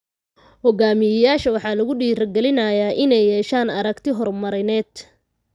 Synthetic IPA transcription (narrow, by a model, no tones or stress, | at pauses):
hɔɡaːmɪjɐjaːʃɐwɑħɑːlɐɣʊɖiːɾɐɡɛlɪnɐjaːʔɪnɛjːɛːʃaːnɐɾɐɡt̪ʰɪɦɔrmɐɾɪnɛːd̪